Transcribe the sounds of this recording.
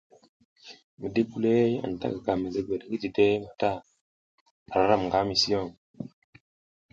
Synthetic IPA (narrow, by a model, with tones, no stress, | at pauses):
mə˨de˦bu˨le˦ja̰˨n˨ta̰˦ka˨ka˨mə˨ze˦ɡʷe˨da˨ki˦ti˨de˦ma˨ta˦˨ | a˨ɾa˨˦ɾa˦˨m˨ɡa˦mi˨si˦o˦˨ŋ